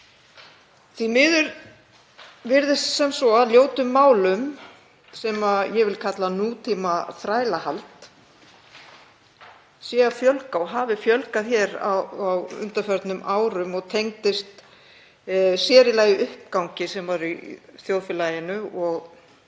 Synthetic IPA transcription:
θimɪðʏɾ | vɪɾðɪst̪sɛmsɔaðljoːwt̪ʏmːaːwlʏm | sɛːmajɛvɪlkʰat̪lanut̪ʰimaθɾaːjlahalt̪ | sjɛafjœlkaɔɦaːvɪfjœlkaðçɛɾa̰awʏ̰nt̪afœɾt̪nʏmʔaːwɾʏmɔɣt̪ʰejŋt̪ɪst̪ | sjɛːɾɪlaːjɪʔʏhp̚kawɲcɪsɛmvaɾiθjoːwðfɪlaːjɪnʏɔɣ

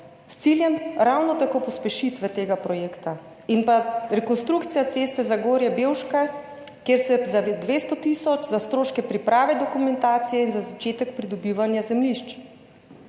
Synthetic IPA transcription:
st̪siljɛmɾawnɔt̪akoːpɔspɛʃit̪ʋɛt̪eːɡapɾɔjeːkt̪a | inpaɾɛkɔnst̪ɾukt̪sijat̪seːst̪ɛzaɡoːɾjɛbeːwʃka | kjeɾsɛzad̪ʋeːst̪ɔt̪isɔt͡ʃzast̪ɾoːʃkɛpɾipɾaːʋɛd̪ɔkumɛnt̪aːt̪sijɛinzazat͡ʃeːt̪ɛkpɾid̪ɔbiʋanjazɛmliʃt͡ʃ

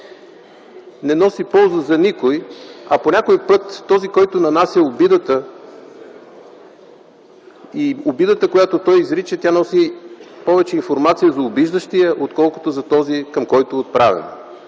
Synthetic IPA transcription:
nɛnɔsipɔlˠzəzɐnikojɐponʲakojpɤt̪ːɔzikɔjt̪onɐnasʲjəobid̪ət̪ə | iobid̪ət̪əkojat̪ot̪ɔjizɾit͡ʃət̪ʲanɔsipɔvɛt͡ʃɛinfoɾmat̪sijəzɐʊbiʒd̪əʃt̪ijəʔot̪kɔlˠko̥t̪ozɐt̪ɔzikɐmkɔjt̪oot̪̚pɾavɛ̰n

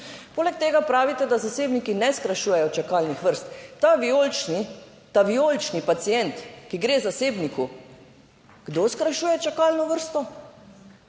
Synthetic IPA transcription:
poːlɛk̚t̪eːɡapɾaːʋit̪ɛd̪azaseːbnikinɛskɾaʃuːjɛjɔt͡ʃakaːlnixʋəɾst̪ːaʋiolt͡ʃni | t̪aʋiolt͡ʃnipat̪sijɛnt̪kiɡɾeːzaseːbniku | ɡ̥d̪oːskɾaʃuːjɛt͡ʃakaːlnɔʋəɾst̪ɔ

